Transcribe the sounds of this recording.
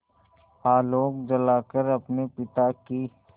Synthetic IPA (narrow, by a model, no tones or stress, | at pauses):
aːloːk̚d͡ʒəlaːkəɾɐpnepɪt̪aki